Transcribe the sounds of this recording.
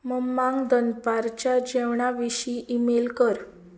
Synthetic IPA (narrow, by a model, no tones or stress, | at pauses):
məmːãŋɡd̪ənpaɾt͡ɕad͡ʑeʋɳ̃aʋiɕiʔimelkəɾ